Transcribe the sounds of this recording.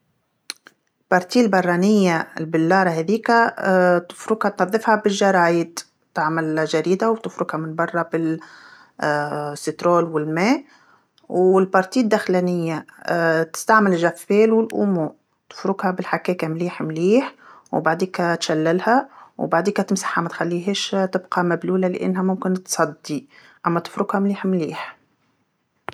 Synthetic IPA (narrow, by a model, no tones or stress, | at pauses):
lbɑɾˤt̪iːlbɑrˤːɑnɪjːalbɪlːɑːɾˤɑɦɛðiːkat̪ɪ̥fɾʊɡhat̪nɑðˤːɨfhabɪlʒɑɾˤɑːjɪd̪ | t̪aʕmalʒaɾiːd̪awt̪ɪfɾʊɡhamɪnbɑrˤːɑbɪ | sːɪt̪ɾoːlwɪlmeː | wɪlbɑɾˤt̪iːd̪ːaxlanɪjːat̪ɪ̥st̪aʕmɪlʒæfːeːlwɪlʔṵːmu | t̪ɪ̥fɾʊɡhabɪlħakɛːkamliːħmliːħwbaʕd̪iːkat̪ʃalːalhawbaʕd̪iːkæt̪ɪmsḁħːamæt̪xalːiːɦeːʃt̪ɪbqɑmabluːlalɪ̰ʔɪ̰nːɦæmʊmkɪnt̪sˤɑd̪ːi | ʔamːæt̪ɪ̥fɾʊɡhamliːħmliːħ